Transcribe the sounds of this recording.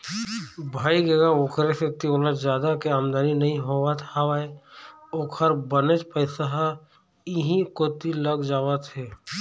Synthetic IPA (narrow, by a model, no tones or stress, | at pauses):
bʱaːiɡeɡaokʰɾeset̪ioːlət̪d͡ʒjaːd̪akeaːmd̪aːninɐɦĩɦoət̪hawaːeoːkʰəɾbənet͡ʃpəɪsaɦa | ɪɦĩkoːt̪iləɡd͡ʒaːwət̪ɦɛː